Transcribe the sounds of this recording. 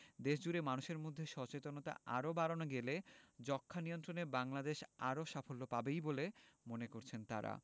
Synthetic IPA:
d̪eʃd͡ʑuɾemanuʃeɾmod̪ʱːeʃɔt͡ɕet̪onot̪a̰ʔaɾobaɾonoɡeled͡ʑɔkʰːanijont̪ɾonebaŋlad̪eʃaɾoʃafolːopabejbolemonekoɾt͡ɕʰent̪a̰ɾa̰

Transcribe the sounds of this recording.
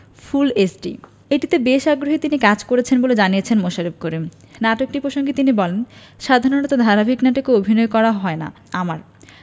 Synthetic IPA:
fʰulesʈḭ | eʈit̪ebeʃaɡɾoɦet̪inikad͡ʑkoɾet͡ɕʰenboled͡ʑaniet͡ɕʰenmoʃaɾib̚koɾim | naʈok̚ʈipɾoʃoŋɡit̪inibɔlen | ʃad̪ʱaɾonat̪od̪ʱaɾabʱiknaʈokeobʱinɔekɔɾaɦɔena̰ | amaɾ

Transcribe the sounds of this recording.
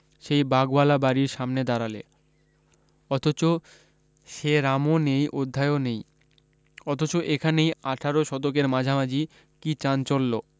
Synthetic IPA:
ʃejbaɡbalabaɾiɾʃamned̪aɾale | ɔt̪ʰot͡ɕo | ʃeɾamonejʔod̪ʱːaeonej | ɔt̪ʰot͡ɕoʔekʰanejaʈʰaɾoʃɔt̪ok̬eɾmad͡ʑʱamad͡ʑi | kit͡ɕant͡ɕolːo

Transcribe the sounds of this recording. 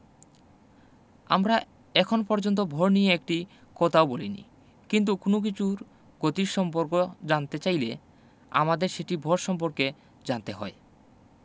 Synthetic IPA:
amɾa | ɛkʰonopɔɾd͡ʑont̪obʱɔɾnijeek̚ʈi | kɔt̪ʰaobolinḭ | kint̪̬ukonok̬it͡ɕʰuɾ | ɡot̪iɾʃɔmpoɾkod͡ʑant̪et͡ɕajle | a̰mad̪eɾʃeʈibʱɔɾʃɔmp̬oɾke | d͡ʑant̪eɦɔe

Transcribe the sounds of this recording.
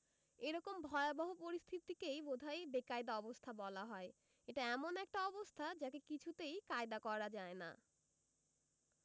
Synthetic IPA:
eɾɔkombʱɔeabaɦopoɾist̪ʰit̪ikejbod̪ʱajbekajd̪aɔbost̪ʰabɔlaɦɔe | eʈaɛmonɛk̚ʈaɔbost̪ʰad͡ʑakekit͡ɕʰut̪ejkaed̪akɔɾad͡ʑaena̰

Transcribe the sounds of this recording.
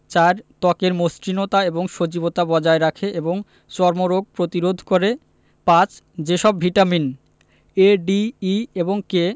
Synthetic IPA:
t͡ɕaɾt̪ɔkeɾmost̪ɾinot̪aeboŋʃod͡ʑibot̪abɔd͡ʑaeɾakʰeʔeboŋ | t͡ɕɔɾmoɾoɡ̚pɾot̪iɾod̪ʱkoɾe | pãt͡ɕ | d͡ʑeʃɔbbʱiʈamin | eɖiːeboŋke

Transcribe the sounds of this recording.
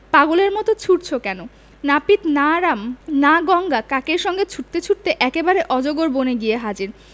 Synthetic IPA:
paɡoleɾmɔt̪ot͡ɕʰuʈt͡ɕʰokɛno | napit̪naɾamnaɡɔŋɡakakeɾʃɔŋɡet͡ɕʰuʈ̚t̪et͡ɕʰuʈ̚t̪eʔɛkebaɾeʔɔd͡ʑoɡoɾboneɡijeɦad͡ʑiɾ

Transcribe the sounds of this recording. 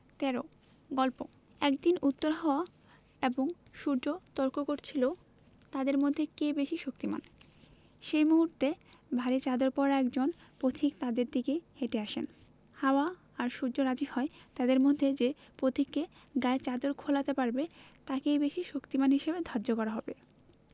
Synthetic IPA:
t̪ɛɾo | ɡɔlpo | ɛkd̪inut̪ːoɾɦɔoa | eboŋ | ʃuɾd͡ʑot̪ɔɾkokoɾt͡ɕʰilo | t̪ad̪eɾmod̪ʱːekebeʃiʃok̚t̪ima̰n | ʃejmuɦuɾt̪ebʱaɾit͡ɕad̪oɾpɔɾaɛkd͡ʑonpot̪ʰik̚t̪ad̪eɾd̪ikeheʈeaʃen | haoa | aɾʃuɾd͡ʑoɾad͡ʑihɔet̪ad̪eɾmod̪ʱːed͡ʑepɾot̪ʰikːeɡaet͡ɕad̪oɾkʰolat̪epaɾbet̪akejbeʃiʃokt̪imanɦiʃebed̪ʱadd͡ʑokɔɾaɦɔbe

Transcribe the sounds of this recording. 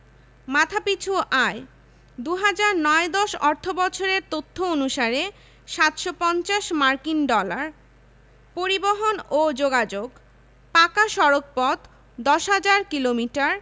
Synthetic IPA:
mat̪ʰapit͡ɕʰuʔae | d̪uɦad͡ʑaɾnɔed̪ɔʃɔɾt̪ʰobɔt͡ɕʰoɾeɾt̪ot̪ʰːoonuʃaɾe | ʃat̪ʃopɔnt͡ɕaʃmaɾkinɖɔlaɾ | poɾiboɦonod͡ʑoɡad͡ʑoɡ | pakaʃɔɾok̚pɔt̪ | d̪ɔʃɦad͡ʑaɾkilomiʈaɾ

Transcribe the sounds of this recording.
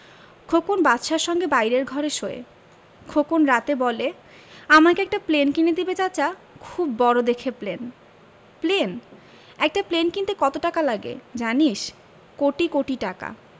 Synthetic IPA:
kʰokonbat̪ːʃaɾʃɔŋɡebajɾeɾɡʱɔɾeʃoḛ | kʰokonɾat̪ebɔle | amakeɛk̚ʈaplenkined̪ibet͡ɕat͡ɕa | kʰubːɔɾod̪ekʰeplen | plen | ɛk̚ʈaplenkint̪ekɔt̪oʈakalaɡḛd͡ʑaniʃ | koʈikoʈiʈaka̰

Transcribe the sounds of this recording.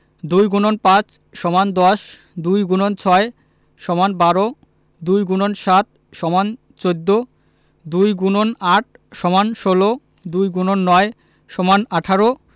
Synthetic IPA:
d̪ujɡunonpãt͡ɕ | ʃɔmand̪ɔʃ | d̪ujɡunont͡ɕʰɔe | ʃɔmanbaɾo | d̪ujɡunonʃat̪̚ | ʃɔman | t͡ɕod̪ːo | d̪ujɡunonaʈ̚ʰ | ʃɔmanʃolo | d̪ujɡunonːɔe | ʃɔmanaʈʰaɾo

